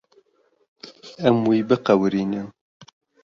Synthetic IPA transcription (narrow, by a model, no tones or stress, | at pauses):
ɛmwiːbɨqɐwɾiːnɨn